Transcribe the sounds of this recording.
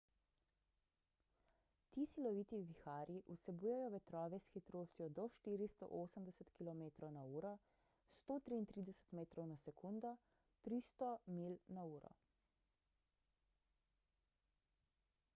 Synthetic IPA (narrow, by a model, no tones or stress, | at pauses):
t̪iːsilɔʋiːt̪iʋixaːɾiʔusɛbuːjɛjɔʋɛt̪ɾɔːʋɛsxit̪ɾot͡s̪ijɔd̪ɔʃt̪iːɾist̪ɔ̰ʔoːsəmd̪ɛsət̪kilɔmeːt̪ɾɔwnauːɾɔ | st̪oːt̪ɾiːnt̪ɾiːd̪ɛsə̥t̪meːt̪ɾɔwnasɛkuːnd̪ɔ | t̪ɾist̪ɔmilnauːɾɔ̰